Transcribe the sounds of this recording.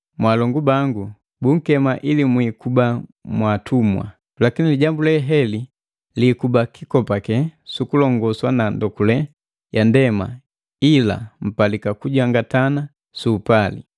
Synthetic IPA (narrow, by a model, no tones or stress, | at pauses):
mwaːlɔŋɡubaŋɡu | buŋ̩kɛmaʔilimwiːkubamwatʰumwa̰ | lakiniliɟambulɛɦɛli | likubakʰikɔpakɛsukulɔŋɡɔswanandɔkulɛ | jandɛma̰ | ila̰m̩palikakuɟaŋɡatana | suːpalḭ